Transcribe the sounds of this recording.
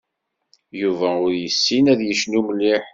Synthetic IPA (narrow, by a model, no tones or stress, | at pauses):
juvæʊɾjəsːinæðjəʃnuməlːiħ